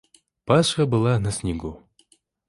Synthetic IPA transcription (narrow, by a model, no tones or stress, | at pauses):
paʂxɐbɨlˠanɐsʲnʲɪɡu